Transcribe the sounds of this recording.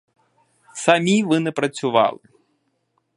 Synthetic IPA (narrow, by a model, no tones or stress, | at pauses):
samʲivɨnɛpɾɐt͡sʲuʋa̰lˠɨ